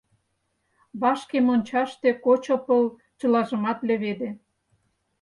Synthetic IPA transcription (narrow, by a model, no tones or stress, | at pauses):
βɑʃkemonʲt͡ɕɑʃt̪ekot͡ɕŏpə̆l | t͡ɕɤ̆lɑʒə̆mɑt̪lĕβed̪ĕ